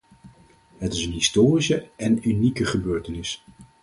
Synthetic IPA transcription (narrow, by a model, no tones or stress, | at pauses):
ɦətɪsənɦɪstoːrisəɛnynikəχəbøːɹtənɪs